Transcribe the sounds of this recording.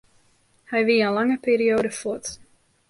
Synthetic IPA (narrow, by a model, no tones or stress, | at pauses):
hɛjʋiːənlɑŋəpeːɾioːdəfot